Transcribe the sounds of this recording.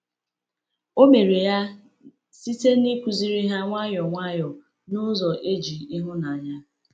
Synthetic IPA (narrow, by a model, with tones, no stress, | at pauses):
o˦me˨ɾe˨ja˦ | si˦te˦ni˦kʷu˨zi˦ɾi˦ɦa˦ŋʷa˦jɔ˨ŋʷa˦jɔ˨ | nʊ˦zɔ˨ʔe˦d͡ʒi˨i˦ɦʊ˦na˨a˨ɲa˦